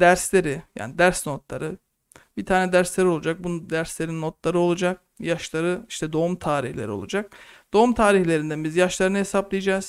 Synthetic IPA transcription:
d̪æɾslʲe̞ɾɪja̰ːnid̪æɾsno̞t̪lˠa̰ɾɯ | bit̪ʰaːnɛd̪æɾslʲeɾio̞lˠud͡ʒak̚bund̪æɾslʲe̞ɾinːo̞t̪lˠaɾɯo̞lˠud͡ʒak̚ | jaʃlˠaɾɯiʃt̪ʰɛd̪o̞umt̪ʰaːɾiçlʲeɾio̞̰lˠṵd͡ʒak̚d̪̥o̞umt̪ʰaːɾiçlʲe̞ɾind̪æbizjaʃlˠaɾɯnaɦesaplˠijed͡ʒaːz̥

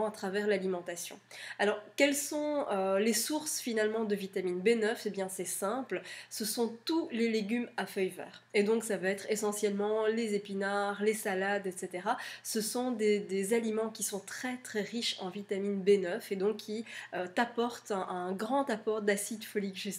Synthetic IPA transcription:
at̪χavɛʁlalimɑ̃t̪asjɔ̰̃alɔʁkɛlsɔ̃ølesuʁsfinalmɑ̃d̪əvit̪aminbenœfebjɛ̃sɛsɛ̃plsəsɔ̃t̪uleleɡʲymafœjvɛ̰ːʁed̪ɔ̃ksavaɛt̪χesɑ̃sjɛlmɑ̃lezepinaʁlesalad̪ɛt̪set̪eʁasəsɔ̃d̪ed̪ezalimɑ̃kʲisɔ̃t̪χɛt̪χɛʁiʃɑ̰̃vit̪aminbenœfed̪ɔ̃kʰːiøt̪apɔʁt̪ɛɛ̃ɡʁɑ̃t̪apɔʁd̪asid̪fɔlikʒys

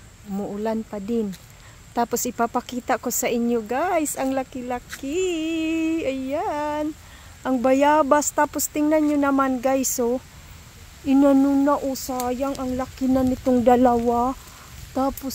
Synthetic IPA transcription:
mʊʔʊlanpɐd̪ɪn | t̪aːposɪpapakiːt̪akosɐʔɪɲjoɡajsɐŋlakɪlakɪ | ajan | ʔɐŋbajaːbast̪aːpost̪ɪŋnanɲonɐmanɡajso | ʔɪnanunaʔosaːjaŋɐŋlakɪnanɪt̪oŋd̪ɐlawa | t̪aːpos

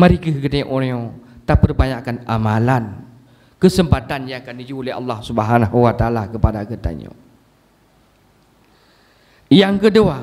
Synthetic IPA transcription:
maɾikəɦkət̪aɲoʔoɾot̪apərbaɲakanʔamalan | kəsəmpat̪anjaŋakandid͡ʒuleɦɑ̰lːɑhsubəɦanaɦuwat̪aalakəpadakət̪a̰ɲo̰ | jaŋkədua

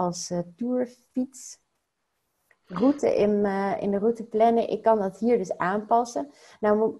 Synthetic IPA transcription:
ɑlˠstuːɹfits | rutə̰ʔɪnɪ̰ndərutəplɛnəʔɪ̰kːɑndɑtɦiːɹdɵsaːnpɑsə | nawm

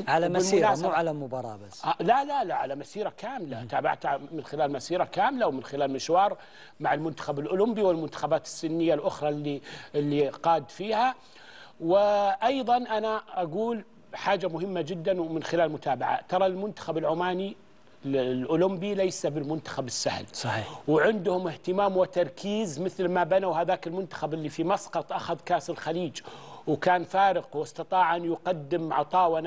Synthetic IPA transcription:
ʕalamɪmʊnaːsmːʕalamʊbɑɾˤɑ̰ːbaslalalaʕalamasiːɾakaːmlat̪aːba̰ʕt̪amɪnxɪlaːlmasiːɾakaːmɪlawmɪnxɪlaːlmɪʃwɑːɾˤ | maʕɪlmʊnt̪ḁxabɪlʔʊlʊmbiwɪlmʊnt̪ḁxabaːt̪ɪ̥sːɪnːɪjːalʔʊxɾˤɑliɪlːiqɑːd̪fiːha | wɪʔɑjðˤɑnʔanaʔaɡuːl | ħaːd͡ʒamʊɦɪmːad͡ʒɪd̪ːanwmɪnxɪlaːlmʊt̪ʰaːbaʕa̰t̪ɑɾˤɑlmʊnt̪ḁxabɪlʕʊmaːni | lʔʊlʊmbilajsabɪlmʊnt̪ḁxabɪsːahlsˤɑiːwʕɪnd̪hʊmɪht̪ɪmaːmwɪt̪ɑɾˤkʰiːzmɪθlmabanawhaðaːkɪlmʊnt̪ḁxabɪlːifimɑsˤqɑt̪ˤʔaxaðkaːsɪlxaliːd͡ʒwkaːnfaːɾɪqwɪsˤt̪ɑt̪ˤɑːʕʔanjʊqɑd̪ːɪmʕɑt̪ˤɑːwan

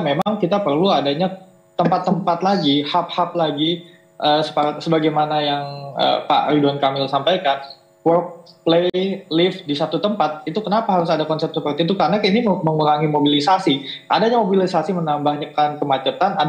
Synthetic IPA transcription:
memaŋkit̪apərluadaɲa | t̪əmpat̪ːəmpat̪̚laɡihap̚hap̚laɡi | ʔəːsə̥paɾat̪̚səbaɡajmanajaŋə̰pa̰ʔɾiduankamɪlsampajkan | wərk̚plelɪfdisat̪ut̪əmpat̪̚it̪ukənapaɦaɾʊsadakɔnsɛp̚səpərt̪it̪̬ukaɾnakainiməŋuɾaŋimobilisasiʔa̰daɲamobilisasimənambahɲəkankəmat͡ʃət̪anad

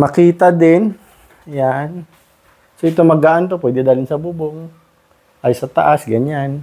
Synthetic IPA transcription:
mɐkiːt̪ad̪ɪn | jan | soʔɪt̪omɐɡaʔant̪opwɛːd̪ɛd̪aːlɪnsɐbʊboŋ | ʔajsɐt̪ɐʔasɡɐɲan

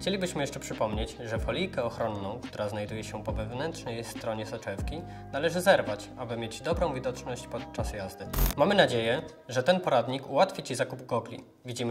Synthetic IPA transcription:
xt͡ɕelʲibɘɕmɘjɛʂt͡ʂɛpʂɘpɔmɲed͡ʑʐɛfɔlʲijkɛɔxɾɔnːɔ̃w̃kt̪uɾaznajd̪ujɛɕɛpɔvɛvnɛntʂnɛjst̪ɾɔɲɛsɔt͡ʂɛfkʲi | nalɛʐɘzɛɾvat͡ɕ | abɘmʲjed͡ʑd̪ɔbɾɔ̃w̃vʲid̪ɔt͡ʂnɔɕt͡ɕpɔt̪̚t͡ʂasjazd̪ɘmamɘnad͡ʑejɛ | ʐɛt̪ɛnpɔɾad̪ɲikuwat̪fʲit͡ɕizakubɡɔɡlʲḭ | vʲid͡ʑimɘ

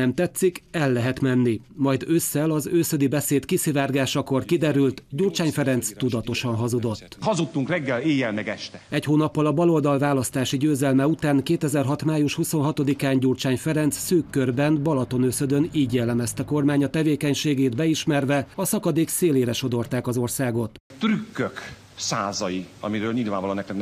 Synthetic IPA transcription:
ɛmt̪ɛt̪sːikɛlːɛɦɛt̪mɛnːi | mɒjd̪øsːɛlɒzøːsød̪ibɛseːt̪kisivaːrɡaːʃɒko̞rkid̪ɛɾylt̪ɟuːrt͡ʃaːɲfɛɾɛnt̪st̪ud̪ɒt̪o̞ʃɒnɦɒzud̪o̞t̪ːhɒzut̪ːuŋkrɛɡːɛleːjɛlmɛɡɛʃt̪ɛɛchoːnɒpːɒlɒbɒlo̞ld̪ɒlvaːlɒst̪aːʃiɟøːzɛlmɛut̪aːŋkeːt̪ɛzɛrɦɒt̪maːjuʃhuso̞nɦɒt̪o̞d̪ikaːɲɟuːrt͡ʃaːɲfɛɾɛnt̪ssøːkːørbɛnbɒlɒt̪o̞nøsød̪øniːɟjɛlːɛmɛst̪ɛko̞rmaːɲɒt̪ɛveːkɛɲʃeːɡeːd̪bɛiʃmɛrvɛɒsɒkɒd̪eːkseːleːɾɛʃo̞d̪o̞rt̪aːkɒzo̞rsaːɡo̞t̪ | t̪rykːøk | saːzɒjiɒ̰miɾøːlɲilvaːʋvɒloːnɛkt̪ɛkn

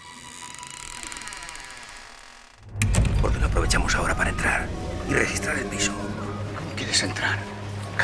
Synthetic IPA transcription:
poɾkenoapɾoβe̞t͡ʃamosao̞ɾapaɾaent̪ɾaɾirexist̪ɾaɾelpisokeðese̞nt̪ɾaɾk

